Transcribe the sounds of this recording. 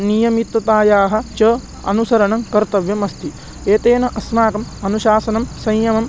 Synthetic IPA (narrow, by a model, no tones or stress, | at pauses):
nijɐmit̪ːɐt̪aːjaːɦɐ̆t͡ʃɐː | ɐ̰nusɐɾɐɳɐŋkɐɾt̪ɐʋjɐmɐst̪i | eːt̪eːnɐʔɐsmaːkɐmɐnuʃaːsɐnɐmsɐjjɐmɐm